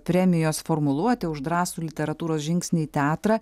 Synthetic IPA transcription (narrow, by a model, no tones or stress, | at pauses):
pʲɾʲɛmʲɪjoːsfoɾmʊlˠuɔt̪ʲɪʊʒd̪ɾɑːsuːlʲɪt̪ʲɛɾɐt̪uːɾoːsʒʲɪŋʲksʲnʲɪit̪ʲɛːt̪ɾɑː